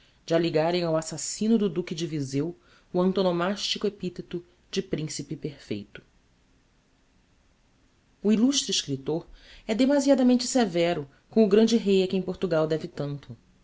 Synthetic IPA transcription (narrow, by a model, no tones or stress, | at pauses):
d͡ʒɪaliɡaɾẽj̃awasasĩnʊd̪ʊd̪ukɪd͡ʒɪvizew | uɐ̃nt̪onomaʃt͡ʃikuepit̪it̪ʊ | d͡ʒɪpɾĩsipɪpeɾfḛjt̪ʊ̥ | uiluʃt̪ɾɪiʃkɾit̪oɾɛd̪emaziad̪ɐmẽnt͡ʃɪ̥sevɛɾʊ | kõʊɡɾɐ̃nd͡ʒɪɦejɛkẽj̃poɾt̪uɡawd̪ɛvɪt̪ɐ̃nt̪ʊ